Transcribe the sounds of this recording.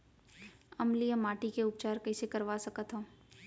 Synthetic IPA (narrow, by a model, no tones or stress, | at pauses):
ɐmlijəmaːʈikeʊp̚t͡ʃaːɾkɐisekɐɾʋasɐkət̪ɦõː